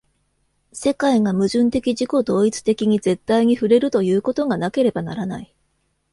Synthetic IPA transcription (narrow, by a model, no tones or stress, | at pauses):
se̞kaiŋamɯ̟ʑɨ̃nt̪e̞kʲiʑiko̞d̪o̞ːit͡sɨ̥t̪e̞kʲiɲ̟ize̞t̪ːaiɲ̟iɸɯ̟ɾe̞ɾɯ̟t̪o̞jɯ̟ːko̞t̪o̞ŋanake̞ɾe̞bana̰ɾanai